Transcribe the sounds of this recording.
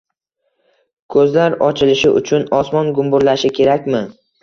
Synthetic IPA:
kʰɵzlaɾɒt͡ʃʰɪlɪʃɪʔʊ̰t͡ʃʰʊnɒsmɒnɡʊmbʊɾlaʃɪkʲʰe̞ɾakʲmɪ

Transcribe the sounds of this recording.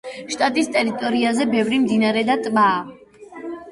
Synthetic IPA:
ʃt̪ʼat̪ʼist̪ʼɛɾit̪ʼɔɾiazɛbɛvɾimd̪inaɾɛd̪at̪ʼmaː

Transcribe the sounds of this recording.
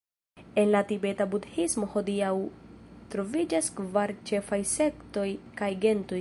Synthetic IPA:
e̞nlatibe̞tabudhismo̞ho̞diawtɾo̞vid͡ʒaskvaɾt͡ʃe̞fajse̞kto̞jkajɡe̞nto̞j

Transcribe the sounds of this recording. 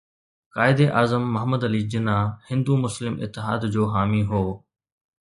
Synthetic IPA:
kaːɪd̪eʔaːzəmːɐɦəməd̪ɐliːd͡ʑɪnahɪ̃nd̪umʊslɪmɪ̰t̪ːɪɦaːd̪d͡ʑoːɦaːmiɦoː

